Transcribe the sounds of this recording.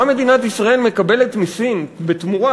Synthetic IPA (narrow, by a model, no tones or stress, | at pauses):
ame̞d̪inatisʁae̞lme̞kabe̞le̞tmisinbet̪muʁa